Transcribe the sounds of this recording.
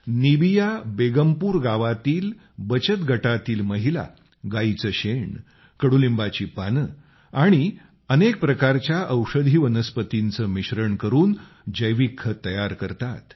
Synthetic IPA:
nibijabeɡəmpuːɾɡaʋat̪iːl | bət͡ɕət̪ɡʱəʈat̪iːlməɦila̰ | ɡait͡səɕeɳ | kəɽulimbat͡ɕiːpanə | aɽ̃i | ənek̚pɾəkaɾt͡ɕjaʔəwʂəd̪ʱiːʋənəspət̪int͡səːmiɕɾəɳkəɾuːn | d͡ʑəjʋikʰːət̪əjaɾkəɾt̪at̪

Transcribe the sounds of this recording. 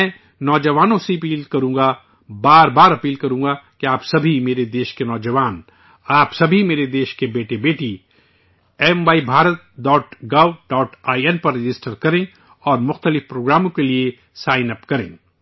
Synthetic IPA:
mɛ̃ː | nɔːd͡ʒɐʋaːnõsiɐpiːlkɐɾũːɡa | baːɾbaːɾɐpiːlkɐɾũːɡakeaːpsɐbʱimeːɾed̪eːʃkenɔːd͡ʒɐʋaːn | aːpsɐbʱimeːɾed̪eːʃkebeːʈebeːʈi | ɛːmʋaːibʱaːɾət̪̚ɖɔːʈɡaːwɖɔːʈaːiɛnpɐɾːɪd͡ʒɪsʈəɾkɐɾẽ | ɔːɾmʊxt̪əlɪfpɾoːɡɾaːmõkelie | saːɪnɐpkɐɾḛ̃ː

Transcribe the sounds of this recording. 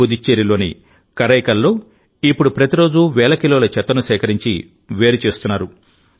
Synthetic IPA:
ud̪it͡ʃːeːɾiloːnḭ | kɐɾɐjkɐlːo̞ː | ipːuɽupɾɐt̪iɾo̞ːd͡ʒuʋɛːlɐkiloːlɐt͡ʃɛt̪ːɐnusɛːkɐɾiɲt͡ʃi | ʋe̞ːɾut͡ʃe̞ːst̪unːaːɾu

